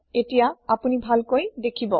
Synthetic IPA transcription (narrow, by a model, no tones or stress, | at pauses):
etijaapunibʱalkojdekʰibɔ